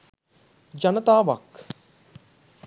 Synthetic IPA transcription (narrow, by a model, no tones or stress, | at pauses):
d͡ʒɐnət̪aːʋɐk